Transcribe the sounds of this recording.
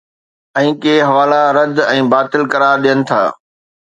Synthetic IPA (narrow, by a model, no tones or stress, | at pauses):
ɛ̃ːkeːɦɐʋaːlaɾɐd̪ɛ̃ːbaːt̪ɪlkɐɾaːɾɗijənɪ̆t̪ʰa̰ː